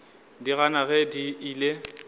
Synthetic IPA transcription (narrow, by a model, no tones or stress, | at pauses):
diɣanaɣɛdiiːle